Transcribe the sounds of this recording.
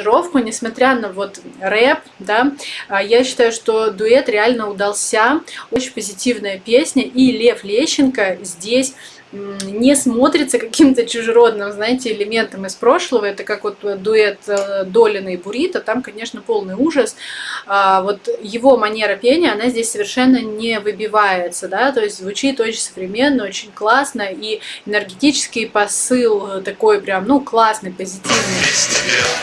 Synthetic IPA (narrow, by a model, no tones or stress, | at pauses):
ɾo̞fkʊnʲɪsmɐt̪ɾʲanəvo̞t̪rɛp̚ | d̪ajaɕːɪ̥t̪ajʊʂt̪o̞d̪ʊɛt̪ɾʲɪalʲnəʊd̪ɐlˠsʲao̞t͡ɕɪnʲpəzʲɪtʲivnəjəpʲesʲnʲəʔilʲe̞flʲeɕːɪnkəzʲdʲesʲ | nʲɪsmo̞t̪ɾʲɪt̪səkɐkʲimt̪ət͡ɕʊʐɨɾo̞d̪̚nɨmznaɪtʲɪɪlʲɪmʲe̞nt̪əmɪspɾo̞ʂlˠəvəɛt̪əkakvo̞t̪d̪ʊɛt̪d̪o̞lʲɪnəibʊɾʲit̪ət̪amkɐnʲe̞ʂnəpo̞lˠnɨjuʐəs | vo̞t̪jɪvo̞mɐnʲe̞ɾəpʲenʲɪjəɐnazʲdʲesʲsəvʲɪrʂɛnːənʲɪvɨbʲɪvajɪt̪səd̪at̪o̞ɪsʲtʲzvʊt͡ɕit̪ot͡ɕɪnʲsəvɾʲɪmʲe̞nːəo̞t͡ɕɪnʲklˠasnəiɪnʲɨrɡʲɪtʲit͡ɕɪ̥skʲɪjpɐsɨlˠt̪ɐko̞jpɾʲamnuklˠasnɨjpəzʲɪtʲivnɨjtʲe